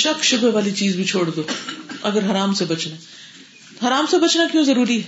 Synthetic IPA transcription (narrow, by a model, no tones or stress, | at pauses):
ʃɐkʃʊbɛʋaːlit͡ʃiːzbʱit͡ʃʰoːɽd̪oːɐɡəɾɦɐɾaːmsebɐt͡ʃna | ɦɐɾaːmsebɐt͡ʃnakjõːzɐɾuːɾiɦɛː